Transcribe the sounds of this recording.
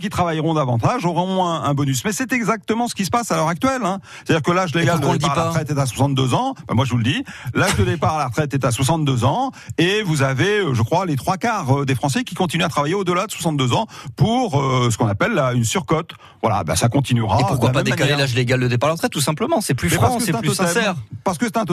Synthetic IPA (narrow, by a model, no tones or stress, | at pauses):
kʲit̪χavajʁɔ̃d̪avɑ̃t̪aʒɔʁɔ̃ɛ̃ɛ̃bɔnysmɛsɛt̪ɛɡzak̚t̪əmɑ̃sə̥kʲis̬ə̥pasalœʁak̚t̪ɥɛlɛ̃se̥t̪ad̪iʁkəlaʒleɡald̪dpaiaaʁχɛt̪ɛt̪as̬wasɑ̃t̪̚d̪øzɑ̃ba̰mwaʒəvuləd̪ilaʒd̪əd̪epaʁalaʁət̪χɛt̪ɛt̪aswas̬ɑ̃t̪̚d̪øzɑ̃evuzaveøʒəkχwalet̪χwakaʁød̪efχɑ̃sɛkʲikɔ̃t̪̬inyat̪χavajeod̪əlad̪əswḁsɑ̃t̪̚d̪øzɑ̃puʁøsəkɔ̃napɛlːaynsyʁkɔt̪ | vwala̰eba̰sakɔ̃t̪inyʁaepukwalapaɛmaallaʒleɡald̪əd̪epaʁlaʁət̪χɛt̪̚tːusɛ̃pləmɑ̃sɛplymɛpaəeɛt̪ɛ̃sɛɛʁpaʁsə̥kəsɛt̪ɛ̃t̪